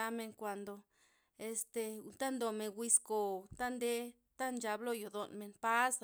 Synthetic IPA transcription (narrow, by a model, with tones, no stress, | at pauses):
a˧me˧ŋkʷa˨nd̪o˨ | e˧st̪e˧t̪a˦nd̪o˨me˨nwʷi˧sko˨t̪a˦nd̪e˧˦ | t̪a˦nd͡ʒa˧blo˧jo˨d̪o˨nme˨npa˦s